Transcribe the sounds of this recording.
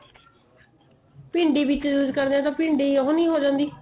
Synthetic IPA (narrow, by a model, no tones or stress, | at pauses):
pɪ̃ɳɖiːbɪt͡ʃd͡ʒuːd͡ʒkəɾd̪eãːt̪ãːpɪɳɖiːəɦõːnĩːɦoːd͡ʒãːnd̪iː